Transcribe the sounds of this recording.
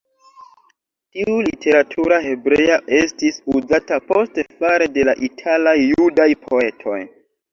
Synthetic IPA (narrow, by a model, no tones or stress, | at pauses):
tiulitʰe̞ɾatʰuɾahe̞bɾejaʔe̞stisuzatapo̞ste̞faɾe̞de̞laʔitʰalajːudajpʰo̞e̞tʰo̞̰j